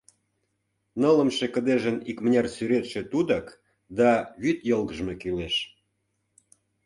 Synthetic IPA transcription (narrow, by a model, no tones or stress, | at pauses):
nələmʃekə̆d̪eʒənikmənʲɑrsyɾet̪ʃĕt̪ud̪ɑk | d̪ɑβyt̪jolɣəʒmekileʃ